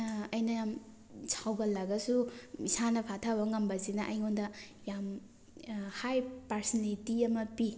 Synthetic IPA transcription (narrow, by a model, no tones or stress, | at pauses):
ɐjnɐjam | sʰawɡɐlaɡɐsuisanɐpʰatʰabɐŋɐmbɐzinɐʔɐ̰jŋondɐjam | hajpaɾsnalitiɐmɐpi